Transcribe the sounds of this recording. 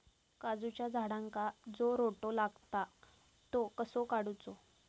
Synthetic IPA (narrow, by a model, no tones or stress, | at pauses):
kad͡zut͡ɕjad͡zʱaɽãŋkad͡zoɾoʈolaɡt̪a | t̪okəsokaɽut͡so